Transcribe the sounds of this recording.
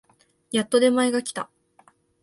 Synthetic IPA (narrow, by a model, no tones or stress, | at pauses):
jat̪ːo̞d̪e̞maeɡakʲi̥t̪a